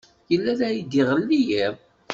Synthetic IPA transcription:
jəlːæðæjid̪iʁəlːijæɾ

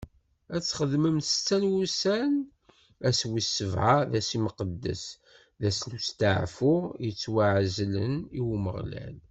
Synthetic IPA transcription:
æt͡sːχəðməmt͡sːænwusæn | æswisːəvʕaðæsiməqəd̪ːə̰s | ðæslust̪əʕfʊjət͡sːwaʕzlə̰niwməʁlæ̰l

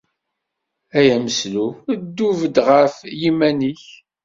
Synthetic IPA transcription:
æjæməslud̪ːuvəd̪ʁəfjimæniç

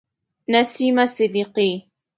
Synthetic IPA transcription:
nasimasɪd̪iqi

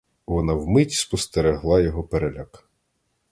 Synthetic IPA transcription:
ʋɔnɑwmɪtʲi̥spɔst̪eɾeɦlˠɑjɔɦɔpeɾelʲak

